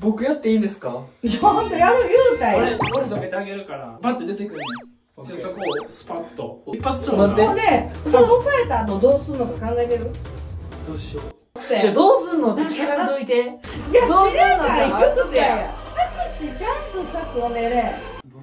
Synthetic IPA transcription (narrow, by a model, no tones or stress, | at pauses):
bo̞kɯ̟jat̪ːe̞ĩːnd̪esɨ̥kaot̪eanojɯːt̪aikoɾʲid̪oket̪eaɡe̞ɾɯ̟kaɾa̰bat̪ːed̪e̞t̪e̞kɯ̟ɾ | sesaksɨ̥pat̪ːo̰ipːat͡sɨ̥soãẽd̪e̞sonofaet̪aːnod̪o̞ːsɨɾɯnok̪okãŋɡaet̪e̞ɾɯ̟d̪oɕo | t̪ːead̪oːsɨɾɯnot̪ːekekad̪oit̪e | jad̪oenaeokɯt̪esakːaɕid͡ʑãpɯsakɯoneɾe